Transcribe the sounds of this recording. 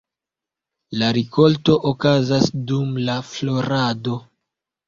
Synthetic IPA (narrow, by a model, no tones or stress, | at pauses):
laɾiko̞lto̞ʔokazasdumlaflo̞ɾado̞